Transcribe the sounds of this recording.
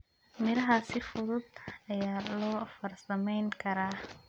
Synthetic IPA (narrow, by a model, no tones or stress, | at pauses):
mɪlɐɦaːsɪfʊðʊd̪̚ɐjaːlɔːfɐrsɐmɛjŋkʰɐɾaː